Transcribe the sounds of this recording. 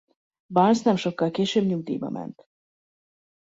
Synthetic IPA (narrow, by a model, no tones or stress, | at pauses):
bɑlsnɛmʃo̞kːɒlkeːʃøːbɲuɡd̪ḭjbɒ̰mʔɛ̰nt̪